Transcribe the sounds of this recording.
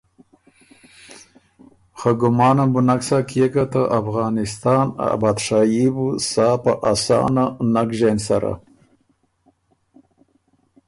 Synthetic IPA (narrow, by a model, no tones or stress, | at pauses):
xaɡʊmɑːnambunaksakjekat̪əʔafɣɑːnɪst̪ɑːna̰bad̪ʂajibusɑːpaʔasɑ̰ːnanakʒensaɾa̰